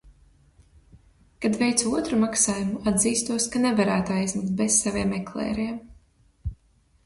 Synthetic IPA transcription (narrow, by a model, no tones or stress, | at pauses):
kad̪vɛjt̪suɔt̪ɾumaksaːjumuad̪ziːst̪uɔskanɛvaɾæːt̪uajzʲmɪkt̪̚bɛssavʲiɛmːɛklˠɛ̰ːɾiɛm